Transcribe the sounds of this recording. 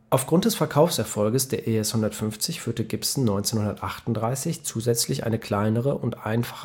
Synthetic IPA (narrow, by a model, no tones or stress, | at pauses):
ʔaʊfɡ̥ʁʊnt̚d̥ɛsfɛɐkʰaʊfsʔɛɐfɔlɡəsd̥eːɐʔeːɛshʊndɐtfʏnft͡sɪçfyːɐtəɡɪpsn̩nɔʏnt͡seːnhʊndɐtʔaχtʊntdʁaɪsɪçt͡suːzɛt͡slɪçʔa̰ɪnəkʰl̥aɪnəʁ̞əʔʊntʔa̰ɪnfḁχə